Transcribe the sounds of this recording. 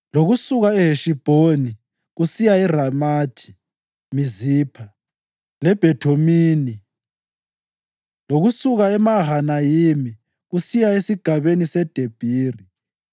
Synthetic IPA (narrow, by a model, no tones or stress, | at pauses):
loɣusuɣaɛɦeʃib̥ʱoni | ɣusijairamaːtʰi̥ | miziːpʰa | lɛb̥ʱɛtʰomiːni | loɣusuɣaɛmaɦanajimi | ɣusijaesiɡ̥ʱaβenisɛd̥ʱeb̥ʱiːri